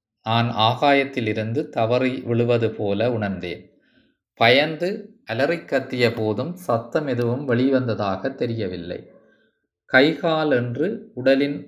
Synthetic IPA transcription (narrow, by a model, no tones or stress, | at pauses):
naːnaːɣaːjɐt̪ːɪlɪɾɯnd̪ɯt̪ɐʋɐɾɐɪʋɪɭɯʋɐðɯpoːlɐʊɳɐɾnd̪ḛːn | pɐjɐnd̪ɯʔɐlɐrɪkːɐt̪ːɪjɐpoːðɯmsɐt̪ːɐmɛðɯʋɯmʋɐɭɪʋɐnd̪ɐðaːɣɐt̪ːɛɾɪjɐʋɪlːɐ̰ɪ | kɐɪɣaːlɛndrɯʊɽɐlɪn